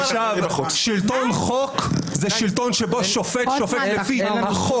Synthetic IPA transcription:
ʃavuʃilt̪onχokzɛʃilt̪o̞nʃeboʃofet̪ʃofet̪lefiχo

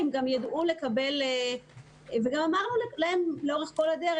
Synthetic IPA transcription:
emɡamjad̪ʔumle̞kabe̞l | veɡamamaʁnullahemleoʁeχko̞lad̪eʁ

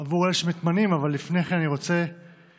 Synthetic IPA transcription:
avuʁeeʃemet̪manimavalːifneχenaniʁo̞t͡se̞

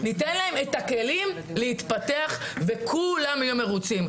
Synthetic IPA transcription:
nitenlae̞met̪ake̞lim | lehit̪pat̪eaχvekʰulamajume̞ʁut͡sim

